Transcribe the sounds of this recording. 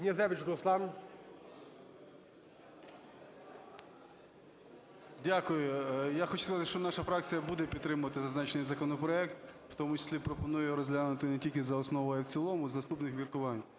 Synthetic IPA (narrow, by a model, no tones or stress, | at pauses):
nʲezɛʋʲɪt͡ʃɾʊslˠɑn | dʲakʊjʊjaxɔt͡ʃʊ̥skɐzɑt̪ɪʃt͡ʃɔnɑʃɐfɾɑk̚t͡sʲijɐbud̪ɛpʲid̪ːɾɪmʊʋɐt̪ɪzɐznɑt͡ʃnɪjzɐkɔnɔpɾɔɛk̚t̪ | wt̪ɔmʊt͡ʃɪ̥sʲlʲipɾɔpɔnujɛɾɔzʲlʲanʊt̪ɪnɛtʲilʲkʲɪzɐɔsnɔʋɔjɪwt͡sʲilˠɔmʊznɐst̪upnɪxʋʲirkʊʋɑnʲ